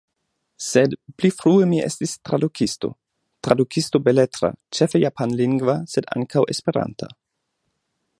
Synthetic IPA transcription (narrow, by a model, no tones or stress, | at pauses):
sedplifɾuemiʔḛstistɾadukʰisto̞̰ | tɾadukʰisto̞beletɾa̰t͡ʃefejapʰanliŋɡvaseda̰ŋkʰawʔe̞spe̞ɾa̰ntʰa̰